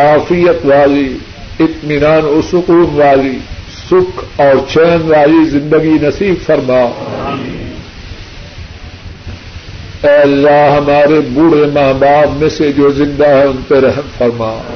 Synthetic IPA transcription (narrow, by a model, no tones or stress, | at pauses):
kaːfijət̪ʋaːzi | ɪt̪mɪnaːnʊsʊquːnʋaːzi | sʊkʰɔːɾt͡ʃʰɛːnʋaːzizɪ̃nd̪əɡinɐsiːbfɐɾmaː | ɛːlːaːɦɐmaːɾebuɽemaːɦbaːbmẽsed͡ʒoːzɪ̃nd̪aɦɛ̃ʊ̃npeɾɐɦmfɐɾmaː